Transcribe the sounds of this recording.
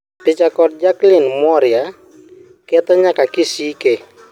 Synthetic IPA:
pɪt͡ʃakɔt̚d͡ʒaklinmɔɾja | kɛt̪ɔɲakakisike

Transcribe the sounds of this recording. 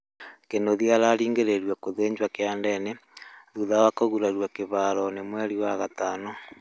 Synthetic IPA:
kenoðiaɾaɾiːŋɡeɾeɾwakoðeːɲd͡ʒwakeandɛneðuðawakoɣuɾaɾwakeβaːɾɔnemwɛɾiwaɣataːnɔ

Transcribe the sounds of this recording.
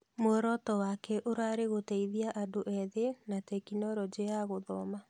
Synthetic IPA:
moɛɾɔtɔwakɛʔoɾaɾeɣotɛiðiaʔadoʔɛðenatɛkinɔɾɔd͡ʒeaɣoðɔma

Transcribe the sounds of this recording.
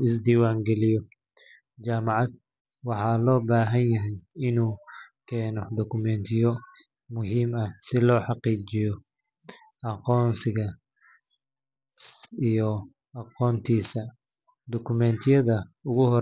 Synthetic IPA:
ɪsd̪iːwaːŋɡɛlɪjɔ | t͡ʃaːmɑʕɑd̪̚ | wɑħɑːlɔːbaːɦɐnjɐɦɛjɪnuːkʰɛːnɔd̪ɔkʰʊmɛnt̪ʰɪjɔ | mʊɦiːmɐsɪlɔːħɑqiːt͡ʃɪjɔ | ɑqɔːnsɪɣɐ | ijɔ | ɑqɔːnt̪ʰiːsɐ | d̪ɔkʰʊmɛnt̪ʰɪjɐðɐʊɣʊhɔ

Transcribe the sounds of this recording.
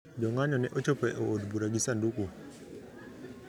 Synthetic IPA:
d͡ʒɔŋaɲɔnɛʔot͡ʃopɛʔoodbuɾaɡisanduku

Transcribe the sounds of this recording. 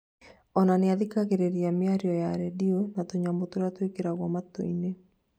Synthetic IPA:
ɔnaneaðikaɣeɾeɾiamjaɾiɔjaɾɛdionatoɲamotoɾatwekeɾaɣwamato̰ine

